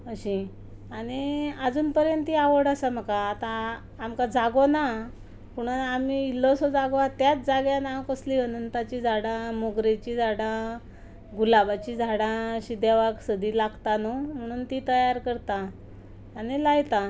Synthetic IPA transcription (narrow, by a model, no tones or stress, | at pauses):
əɕĩ | aɽiad͡zuːnpəɾjənt̪iaʋəɽasam̤əkaːt̪ãː | mkad͡zaɡona | puɽ̃aamiilːɔsɔd͡zaɡat̪jat͡sd͡zaɡjãnakəsliɦənənt̪at͡ɕid͡zʱaɽãmoɡɾet͡ɕid͡zʱaɽã | ɡulabat͡ɕid͡zʱaɽãɕid̪jaʋaksəd̪iːlaɡt̪anom̤əɽ̃uːnt̪it̪əjaɾkəɾt̪ãː | nilajt̪ã